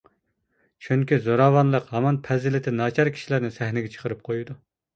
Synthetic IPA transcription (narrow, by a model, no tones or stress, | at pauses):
t͡ʃʰyŋkʲizoɾɑwɑnlˠəqhɑmɑnpʰɛzɪlɪt̪ʰɪnɑːt͡ʃʰɑɾkʲʰi̥ʃilæɾnɪsæhnɪɡʲɛt͡ʃʰə̥qʰəɾɨp̚qʰojud̪u